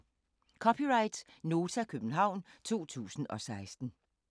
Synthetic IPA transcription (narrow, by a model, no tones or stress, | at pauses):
kʰɒ̽pʰiʁɑ̈ɪd̥no̝ːt͡sʰækʰøb̥n̩ɦɑ̈ʊ̰nt͡sʰo̝̰ːt͡sʰṵːsn̩ɒ̽sɑ̈ɪsd̥n̩